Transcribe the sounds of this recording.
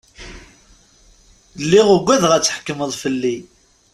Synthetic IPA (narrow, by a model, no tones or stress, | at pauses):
lːiʁʊɡʷːæðʁæt͡sːħə̥kːəməðˤfəlːi